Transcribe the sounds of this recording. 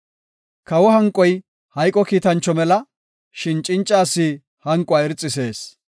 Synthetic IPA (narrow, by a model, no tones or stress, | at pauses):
kɐwɔɦɐŋkʼːɔj | hɐjkʼːɔkiːt̪ɐnt͡ʃːɔmɛlɐ | ʃɪnt͡ʃʼːɪnt͡ʃʼːaːsːiː | hɐŋkʼʊaːɛɾt͡sʼːɪse̞ːs